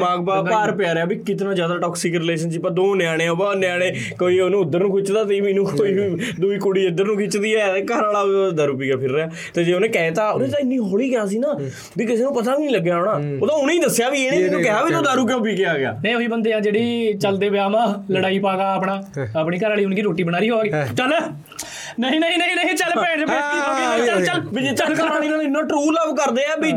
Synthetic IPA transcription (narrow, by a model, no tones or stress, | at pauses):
aːɡpaːpaːɾpeaːɾejaːbiːkɪt̪nãːzjaːd̪aːʈɔːksɪkɾɪleːʃənsiːpəɾd̪oːnɪjaːɽ̃ẽːobaːnɪjãːɽ̃ẽː | koːiːonũːʊd̪ːəɾnũːkʰɪt͡ʃd̪aːt̪ebinũːkoːiːd̪uːiːkuɽiːɪd̪ːəɾnũːkʰɪt͡ʃd̪iːɛːt̪eːkəɾaːlaːd̪aːɾuːpiːkjaːpʰɪɾːeːaː | t̪eːd͡ʒeːonẽːkɛːt̪aːod̪ẽːt̪ːɪnːĩːɦoːɽiːkeaːs̬iːnaː | biːkɪseːnũːpət̪aːʋiːnĩːləɡːjaːoːɳaːoːt̪ãːʊniːd̪əsːjaːbiːeːnĩnukɛɦaːbiːt̪õːd̪aːɾuːk̬eopiːkeaːɡɪja̰ːnəĩːoɦiːbənd̪eːãːd͡ʒeːɽiːt͡ʃəld̪eːʋɪaːmãːləɽaːiːpaːɡaːəːpɳaːaːpɳiːkəɾaːliːʊnɡiːɾoːʈːiːbənaːɾiːɦoːaɡeːt͡ʃəl | nəɦĩːnəĩːnəɦĩːnəɦĩːt͡ʃəlpɛ̃ːɳt͡ʃɛ̃ːd̪iːɦoːɡiːt͡ʃəlt͡ʃəlbt͡ʃəlinãːɪnːãːʈɾuːləbkəɾd̪eːɛːbiː